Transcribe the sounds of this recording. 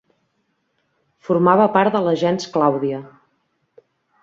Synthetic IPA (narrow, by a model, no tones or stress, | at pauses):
fuɾmaβ̞əpaɾt̪d̪ələʒɛnsklawðiə